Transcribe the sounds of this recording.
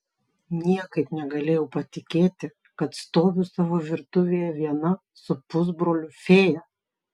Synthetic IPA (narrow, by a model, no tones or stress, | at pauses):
nʲiɛkɐɪpnʲɛɡɐlʲeːjɛʊpɐt̪ʲɪkʲeːt̪ʲɪ | kɐt̪st̪oːʋʲʊsɑːʋoːʋʲɪɾt̪ʊʋʲeːjɛʋʲiɛnɐ | sʊpʊzbɾoːlʲʊfʲeːjɛ